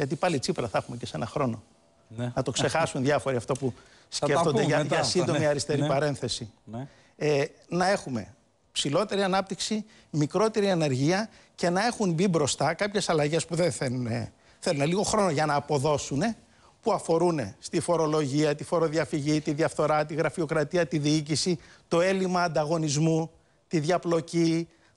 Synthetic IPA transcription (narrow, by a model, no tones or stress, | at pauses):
ʝɐt̪̬ipɐlit͡sipɾɐθɐxume̞ce̞se̞nɐxɾo̞no̞ | nɐt̪o̞kse̞xɐsunðjɐfo̞ɾiɐft̪opu | sceft̪oeɐʝɐsind̪o̞miɐɾist̪e̞ɾipɐɾe̞nθe̞si | enɐe̞xume̞̰ | psilo̞t̪e̞ɾiɐnɐp̚t̪iksi | mikɾo̞t̪e̞ɾiɐne̞ɾʝiɐ | ce̞nɐe̞xumbibɾo̞st̪ɐkɐpçe̞sɐlɐʝe̞spuðenθelunḛ | θe̞luneliɣo̞xɾo̞no̞ʝɐnɐːpo̞ðo̞sune̞ | puɐfo̞ɾune̞̰st̪ifo̞ɾo̞lo̞ʝiɐt̪ifo̞ɾo̞ðiɐfiʝit̪iðʝɐfθo̞ɾɐt̪iɣɾɐfio̞kɾɐt̪iɐt̪iðiicisit̪o̞e̞limɐːnd̪ɐɣo̞nizmu | t̪iðʝɐplo̞ci